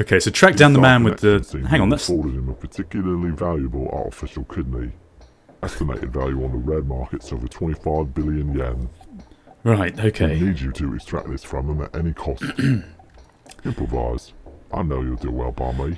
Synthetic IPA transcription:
oʊkʰeɪsoʊtʰɹ̥ak̚d̥ãʊnðəmæ̃nwɪðəsĩhæ̃ŋə̃nðətsɔːɾɪd̚ɪ̃məpʰətʰɪkjl̩ˠəlivaljəbəlˠɑ̰ˑtɪ̰fɪʃəl̩ˠkʰɪdⁿni | ɛstɪmḛɪtɪ̰dvalˠjʉə̃nðəɹɛd̚mɑˑkɪtsoʊvətʰw̥ɛ̃ntifaɪvbɪlˠjə̃njɛ̃nzɹaɪtoʊkʰeɪniːd͡ʒətʰəɪ̰kstɹ̥a̰k̚ðɪsfɹə̃mə̃mə̰tɛnikʰɒs | ɪ̃mpʰɹ̥əva̰ɪz̥ʔaɪnoʊjəlˠdəwɛ̰lˠba̰ɪmi

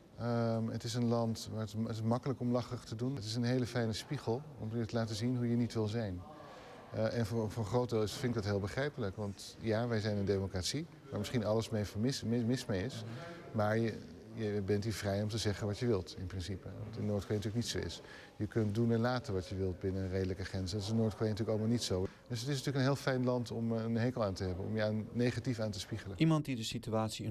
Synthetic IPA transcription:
əmətɪsənlɑntʋaːɹətɪsətɪsmɑkələkɔmlɑχəχtədunətɪs̬ənɦejləfɛjnəspiχəlˠɔ̰mətəlaːtəzinɦujənitʋɪlˠzɛjn | ʔɛnvfɔχrowt̚dɪlˠɪsfɪnɪkɡdɑtɦeːlˠbəχrɛjpələkʋɑnt | jaːʋɛjzɛjnəndejmokraːtsi | ʋaːɹməsχinɑləsmejfmɪsmɪmɪsmejɪs | maːɹjə | jəbɛntiːɹvrɛjɔmtəzɛχənʋɑtjəʋɪlˠtɪnprɪnsipəɑ̰ntɪnːʊːɹtkʋejntyːləknitsoʊɪ̰s | jəkɵnt̚dunɛɹlaːtəʋɑtjəʋɪlˠt̚bɪnərejdələkəχrɛnsəndɑtɪsɪnːʊːɹtkʋejntyːləkɑləmalˠnitsow | dɵsɦətɪsnatyːləkənɦɪːlˠfɛjnlɑntɔmənɦejkəlˠaːntəɦɛbənɔ̰mjəaːnːejχatifaːntəspiχələnimɑnt̚didəsityaːtsi

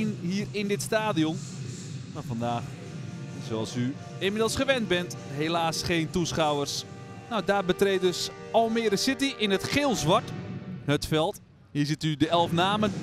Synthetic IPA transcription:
nɦiːərɪndɪtstaːdiɔn | maːfandaːx | soɑlˠsy | ɪmɪdəlˠsχəʋɛnt̚bɛntɦelaːsχeːntusχawərs | nawdaːrbətreːt̚døs | ɔlˠmɪərdəsɪtiʔɪnətxɪlˠsʋaɹthətfɛlˠt | hiːrsɪtydəɛlˠfnaːmən

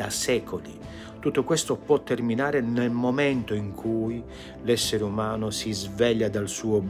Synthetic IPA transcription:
a̰sɛːkʰolḭ | t̪ut̪ːokwɛst̪ʊpwɔt̪ːerminaːɾɪnelmomɛnt̪oiŋkʰuːj | lɛsːeɾeumaːnʊsizvɛʎːad̪alsuːob

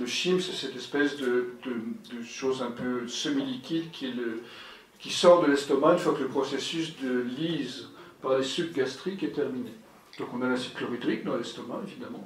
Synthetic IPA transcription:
ləʃimsɛsɛt̪ɛspɛsd̪əd̪əd̪əʃozɛ̃pøsəmilikʲid̪kʲʰilə | kʲisɔʁd̪əlɛst̪ɔmaynfwakələpχɔsesysd̪əlizpaʁlesykɡast̪χikɛt̪ɛʁmine | d̪̥ɔ̃kɔ̃nalɛ̃siklyʁid̪ʁikd̪ɑ̃alɛst̪ɔma̰evid̪amɑ̃

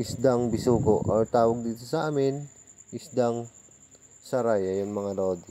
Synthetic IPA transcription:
ʔɪsd̪aŋbɪsuːkoʔʔoɹt̪aːwɐɡ̚d̪iːt̪osɐʔaːmɪn | ʔɪsd̪aŋ | sɐɾajɐjʊŋmɐŋaɾood̪

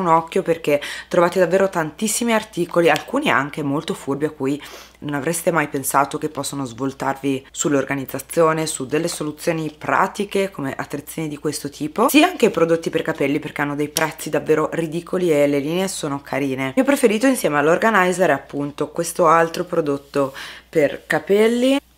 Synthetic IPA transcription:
unɔkːjoperk̟et̪ːɾovaːt̪ed̪avːeːɾot̪ant̪isːimiart̪iːkolialkuːnia̰ŋk̟emolt̪ofurbiakːuːj | nonavɾest̪emajpensaːt̪ok̟epːɔsːonozvolt̪arvisulːorɡanid̪zːat̪sːjoːnesud̪ːelːesolut̪sːjoːnipɾa̰ːt̪ikekʰomeʔa̰t̪ːɾet̪sjoːnid̪ikwest̪ot̪ʰiːposiːaaŋk̟eipɾod̪ot̪ːiperkapɛlːiperk̟eanːod̪ejpɾʔɛt̪sːid̪avːeːɾorid̪iːkʰolieleliːneesoːnokʰaɾiːnemiɔpɾefeɾiːt̪oinsjɛːmealːorɡanajzeɾeapːunt̪okwest̪oalt̪ɾopɾod̪ot̪ːoperkapɛlːi

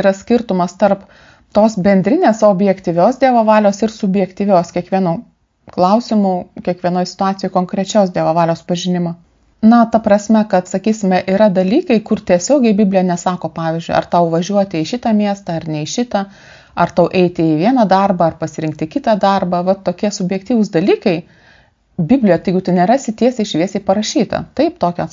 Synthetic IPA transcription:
ɾɐsʲkʲɪɾt̪ʊmɐst̪ɐrp | t̪oːsbʲɛnʲd̪ʲɾʲɪnʲeːsoːbʲjɛkt̪ʲiʋʲoːsd̪ʲiɛʋɐʋɑːlʲoːsɪɾsʊbʲjɛkt̪ʲiːʋʲoːskʲiɛkʋʲiɛnuː | klˠɐʊsʲɪmukʲiɛkʋʲiɛnoːjsʲɪ̥t̪ʊɑːt̪sʲɪjoɪkoːŋkɾʲɛt͡ʃʲoːsd̪ʲiɛʋɐʋɑːlʲoːspɐʒʲɪnʲɪmoː | nɐt̪ɐpɾɐsʲmʲɛkɐt̪sɐkʲiːsʲɪmʲɛʔiːɾɐd̪ɐlʲiːkɐɪkʊrt̪ʲiɛsʲoːɡʲɛɪbʲɪbʲlʲɪjɛnʲɛsɑːkoːpɑːʋʲɪːzʲd͡ʒʲʊɪɐ̰rt̪ɐʊʋɐʒʲuɔt̪ʲɪɪʃʲɪt̪ɑːmʲiɛst̪ɐɐrnʲɛɪʃʲɪt̪ɐ | ɐrt̪ɐʊʔɛɪt̪ʲɪɪʋʲiɛnɐd̪ɐrbɐɐrpɐsʲɪɾʲɪŋk̚t̪ʲɪkʲɪt̪ɑd̪ɐrbɐʋɐt̪oːkʲiɛsʊbʲjɛk̚t̪ʲiːʋʊsd̪ɐlʲiːkɐɪ | bʲɪbʲlʲɪjɛt̪ɐɪɡʲɪt̪ɐɪnʲɛrɑːsʲɪt̪ʲiɛsʲɛɪʃʲʋʲiɛsʲɛɪpɐɾɐʃʲiːt̪ɐ̰t̪ɐɪpt̪oːkʲoːs

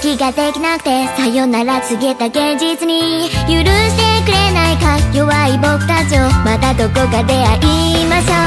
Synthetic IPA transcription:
kʲiɡad̪e̞kʲinakɯ̟̥t̪e̞sajonaɾat͡sɨɡʲiet̪aɡẽ̞ɲd͡ʑit͡sɨɲ̟ijɯɾɯɕi̥t̪e̞kɯ̟ɾe̞naikajoβaibokɯ̟̥t̪at͡ɕomat̪ad̪okoɡad̪e̞aʔi | maɕo

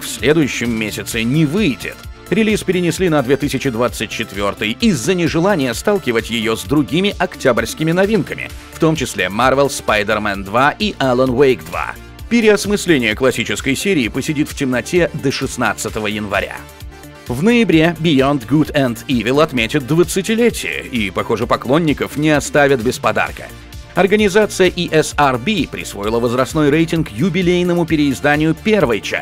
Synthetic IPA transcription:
fsʲlʲe̞d̪ʊjʉɕːɪmːʲesʲɪt̪sɪnʲɪvɨjdʲɪ̰t̪ | ɾʲɪlʲispʲɪɾʲɪnʲɪsʲlʲinɐd̪vʲe̞t̪ɨsʲɪt͡ɕɪd̪vat̪sɨt̚ʲt͡ɕːɪt̪vʲo̞rt̪ɨjizːənʲɪʐɨlˠanʲɪjəst̪alˠkʲɪvətʲjɪjozd̪ɾʊɡʲimʲɪʔɐktʲabrʲskʲɪmʲɪnɐvʲinkəmʲɪ̰ft̪o̞mt͡ɕɪsʲlʲemarvʲɛlˠspajd̪ʲərmɛnd̪vaʔiʔɛlˠənvejkd̪va̰ | pʲɪɾʲɪɐsmɨsʲlʲenʲɪjəklˠɐsʲit͡ɕɪskəjsʲeɾʲɪːpəsʲɪdʲit̪ftʲɪmnɐtʲʰed̪əʂɨsnat̪sɨt̪əvəjɪnvɐ̰ɾʲa̰ | vnəɪbɾʲebʲɪjont̪ɡut̪ɛnd̪ivʲɪlˠɐt̪mʲetʲɪt̪̚d̪vət̪sɨtʲɪlʲetʲɪ̰jə̰ʔipɐxo̞ʐɨpɐklˠo̞nʲːɪkəfnʲɪɐst̪avʲɪt̪bʲɪspɐd̪a̰rkə̥̰ | ɐrɡənʲɪzat̪sɨjəʔiʔɛsarbʲipɾʲɪ̰svo̞jɪlˠəvəzɾɐsno̞jrejtʲɪnkjʊbʲɪlʲejnəmʊpʲɪɾʲɪːzd̪anʲɪjʊpʲe̞rvəjt͡ɕa̰

